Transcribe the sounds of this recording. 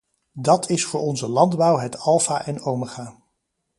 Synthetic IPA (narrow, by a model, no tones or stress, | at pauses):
dɑtʰɪsfʊːɹɔnzəlɑndbʌwɦɛtɑlˠfaːʔɛnowməχaː